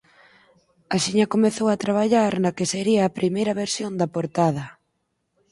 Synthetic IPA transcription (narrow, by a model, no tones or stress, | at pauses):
aʃiɲɐkomeθowat̪ɾaβ̞aʎaɾnɐkeseɾiɐːpɾimejɾɐβeɾsjond̪ɐpoɾt̪að̞ɐ